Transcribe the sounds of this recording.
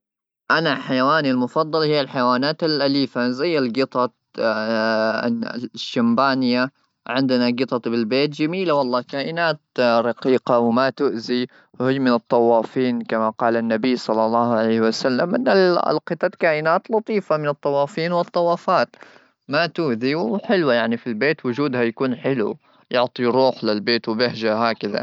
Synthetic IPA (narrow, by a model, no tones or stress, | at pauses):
ʔanaħajawaːnilmʊfɑd̪ˤːɑlhɪjːalħajawaːnaːt̪ɪlʔaliːfazajːalɡɪt̪ˤɑt̪ | ʃːambaːnɪjːa | ʕɪnd̪ɪnaɡɨt̪ˤɑt̪ˤbɪlbeːt̪̚d͡ʒamiːlawɑlˤːɑːkaːʔɪnaːt̪̚ɾˤɑqiːqawɪmat̪ʊʔzi | whɪːmɪnɨt̪ˤːɑwːɑːfiːnkamaqɑːlanːabijːsˤɑlːɑlːɑːhʕalejhɪwasalːamʔɪnːal̰lqɨt̪ˤɑt̪kaːʔɪnaːt̪lɑt̪ˤiːfamɪnɨt̪ˤːɑwːɑːfiːnwɨt̪ˤːɑwːɑːfaːt̪ | mat̪ʊʔðiwħɪlwajaʕnifilbeːt̪wʊd͡ʒuːd̪hajakuːnħɪlṵ | jʊʕt̪ˤiɾuːħlɪlbeːt̪wɪbɪhʒahaːkaða̰